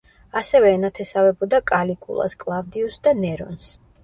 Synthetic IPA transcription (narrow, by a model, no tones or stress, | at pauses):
asɛvɛːnat̪ʰɛsavɛbɔd̪akʼalikʼṵlˠa̰skʼlˠavd̪iusd̪anɛɾɔ̰ns